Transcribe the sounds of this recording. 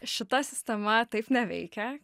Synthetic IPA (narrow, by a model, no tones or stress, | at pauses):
ʃʲɪt̪ɐsʲɪsʲt̪ʲɛmɐt̪ɐɪpnʲɛʋʲɛ̰ɪkʲɛ